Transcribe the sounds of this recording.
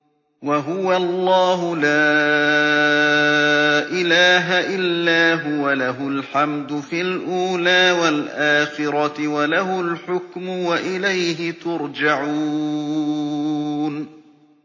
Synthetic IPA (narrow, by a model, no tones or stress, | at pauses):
waɦʊwalˤːɑːɦʊlaː | ʔɪlaːɦaʔɪlːaːɦʊwalaɦʊlħamd̪ʊfilʔuːlaːwalʔaːxɪɾˤɑwalaɦʊlħʊkmʊwaʔɪlajɦɪt̪ʊɾd͡ʒaʕuː | n